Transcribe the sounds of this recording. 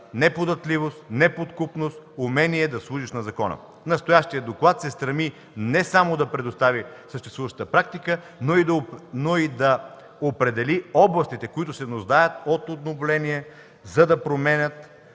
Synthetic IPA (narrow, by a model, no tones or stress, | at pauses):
nɛpod̪ɐt̪livost̪nɛpot̪kupnost̪umɛniɛd̪ɐslˠuʒiʃnɐzɐkɔnə̰ | nɐst̪ojaʃt̪iəd̪d̪oklˠat̪sɛst̪ɾɐmi | nɛsamod̪ɐpɾɛd̪ost̪avisəʃt̪ɛst̪vuvəʃt̪ət̪əpɾak̚t̪ikə | noid̪ɐnoid̪ɐ | opɾɛd̪ɛliɔblˠɐst̪it̪ɛkoit̪ʊsɛnoʒd̪ajət̪ot̪od̪novlɛniɛ | zɐd̪ɐpɾomɛnʲət̪